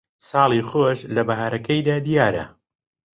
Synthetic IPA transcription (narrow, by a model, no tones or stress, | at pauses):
sɑːlˠiːxoʃlɐbɐɦaːɾɐkɐjd̪aːd̪ijaːɾɐ̰